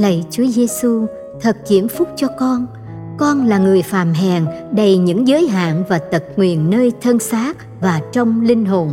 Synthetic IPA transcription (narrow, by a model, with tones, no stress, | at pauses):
lə̰˧˨jt͡ɕu˨˦əze˧su˧ | t̪ʰə˨˩t̚ki˧˩əmfʊ˦˥k͡p̚t͡ɕɔ˧kɔ˧n | kɔ˧nlaː˨˩ŋɨ˨˩əjfaː˧˨˩mɦɛ˨˩nɗə˨˩jɲɨ̰˧˥ŋzəː˨˦jɦa̰ː˧˨nvaː˨˩t̪ə˨˩t̚ŋwi˨ənːəː˧jt̪ʰə˧nsaː˦˥t̚ | vaː˨˩t͡ɕɔ˧wŋ͡mlï˧ŋ̟ɦo˨˩n